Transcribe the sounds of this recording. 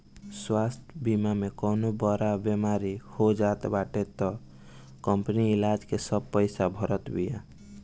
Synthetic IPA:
swast̪ʰbimamekɔnobɔɾabemaɾihod͡ʒat̪baʈet̪ɔ | kɔmpəniɪlad͡ʒkesəb̚pəɪsabʱɔɾət̪bija̰

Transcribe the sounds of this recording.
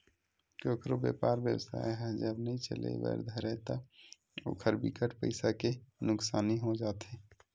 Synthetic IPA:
koːkɾobjḛpaːɾbjə̰wsa̰ːjɦɛd͡ʒəbnəĩt͡ʃə̰lḛʋə̰ɾd̪ʱəɾɛt̪ɔ | o̰ːkʰəɾbḭkəʈpəɪsakenʊksaːniɦod͡ʒaːt̪e

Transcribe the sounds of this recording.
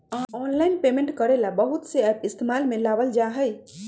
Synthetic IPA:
aɔnlajnpemẽɳʈkəɾelabəɦut̪seɛpist̪emalmelabəld͡ʒaɦəj

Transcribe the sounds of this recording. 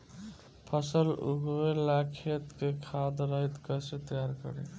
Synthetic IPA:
pʰəsəlṵɡwelakʰet̪kekʰad̪ɾəɦit̪kəset̪jaɾkə̰ɾḛ

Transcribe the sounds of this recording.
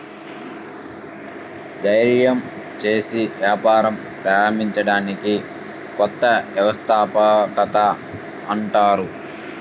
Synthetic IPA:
d̪ɐjɾjɐm | t͡ʃe̞ːsiʋjaːpaːɾɐm | pɾaːɾɐmbʱiɲt͡ʃɐɽaːniki | kɔt̪ːɐʋjɐʋɐst̪ʰaːpɐkɐt̪a | ɐɳʈaːɾu

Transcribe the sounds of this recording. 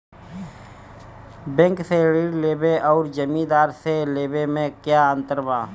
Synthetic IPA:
bɛ̃ŋkseɾiːɽleːbeʔɔːɾd͡ʒəmĩd̪aːɾseleːbemẽkjaːə̃nt̪əɾbaː

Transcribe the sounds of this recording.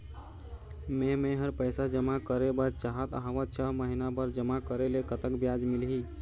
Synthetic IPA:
memẽɦəɾpəjsad͡ʒəmakəɾebəɾt͡ʃaɦət̪aɦʋət̪̚t͡ʃʰəɦməɦinabəɾd͡ʒəmakəɾelekət̪əkbjad͡ʒmilɦi

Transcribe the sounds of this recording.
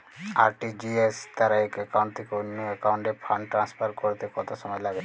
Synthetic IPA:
aɾʈid͡ʑiest̪aɾaekɛkawɳʈt̪ʰekeonːoekawɳʈepʰaɳɖʈɾanspʰaɾkoɾet̪ekɔt̪oʃɔmɔelaɡe

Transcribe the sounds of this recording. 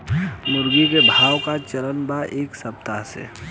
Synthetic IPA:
mʊɾɡikebʱaːwkat͡ʃəɾənbaʔeːksəp̚t̪aɦsḛ

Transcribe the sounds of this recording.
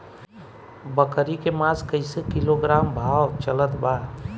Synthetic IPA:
bəkəɾikemaskəɪsekiloɡɾambʱawt͡ʃələt̪ba

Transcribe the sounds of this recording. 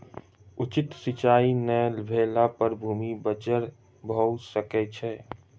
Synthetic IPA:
ʊt͡ʃɪt̪sɪt͡ʃaːinɛlbʱeːlapəɾbʱuːmibət͡ʃəɾ | bʱowsəket͡ʃʰɛː

